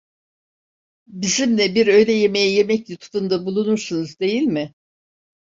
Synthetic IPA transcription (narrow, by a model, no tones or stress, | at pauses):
bizimlʲɛbiɾø̞jlʲɛje̞me̞jɛje̞mɛclʲut̪ʰu̥fund̪abulˠunuɾsunuzd̪e̞jilʲmɪ